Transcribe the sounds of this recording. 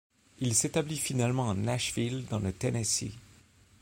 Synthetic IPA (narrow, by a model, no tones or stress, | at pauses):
ilset̪ablifinalmɑ̃ɑ̃naʃvild̪ɑ̃lət̪enesḭ